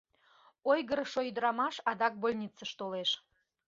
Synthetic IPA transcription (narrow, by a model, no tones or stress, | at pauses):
ojɣəɾəʃojd̪əɾɑmɑʃɑd̪ɑk̚bolʲnʲit͡səʃt̪oleʃ